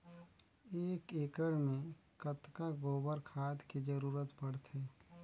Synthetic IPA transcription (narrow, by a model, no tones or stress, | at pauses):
eːkeːkɾəɽmẽkət̪kaɡoːbəɾkʰaːt̪kid͡ʒəɾuːɾət̪bɐɽt̪eː